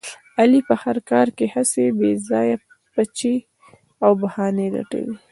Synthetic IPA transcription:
alipəhaɾkɑɾkehasebezɑja | pat͡ʃe | awbahɑnela̰ʈa̰wi

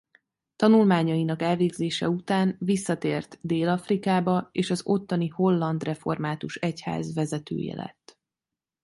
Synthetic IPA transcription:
t̪ɒnulmaːɲɒinɒkɛlveːɡzeːʃɛut̪aːnvisːɒt̪eːrt̪d̪eːlɒfrikaːbɒeːʃɒzo̞t̪ːɒniho̞lːɒnd̪rɛfo̞rmaːt̪uʃɛcha̰ːzvɛzɛt̪ø̰ːjɛ̰lɛ̰t̪ː

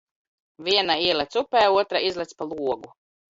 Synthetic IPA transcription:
viɛnaiɛlˠɛt̪supɛːuɔt̪ɾaizlˠɛt̪spalˠuɔɡu

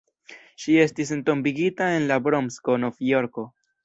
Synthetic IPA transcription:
ʃie̞stis̬ento̞mbiɡitae̞nlabɾo̞msko̞no̞vjo̞ɾko̞

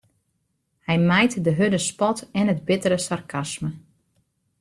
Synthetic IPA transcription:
hɛjmɛjtdəɦødəspɔtɛnɦətbɪtəɾəsarkʰasmə

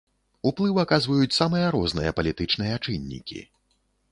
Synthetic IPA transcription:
uplˠɨwakazvɐjut͡sʲsamɨjɐɾɔznɨ̰jɐpɐlʲit̪ɨt͡ʂn̪ɨjɐt͡ʂɨnʲːḭkʲḭ

